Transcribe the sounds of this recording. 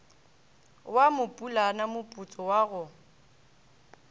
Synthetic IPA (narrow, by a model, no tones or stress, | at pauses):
wamʊpʼulanamʊpʼut͡sʼɔwaɣʊ